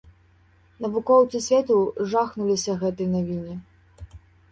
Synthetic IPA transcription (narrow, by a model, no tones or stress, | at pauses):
nɐvukɔwt̪sɨsʲvʲɛt̪uʐaxnulʲisʲɐɣɛt̪ɨjnavʲinʲi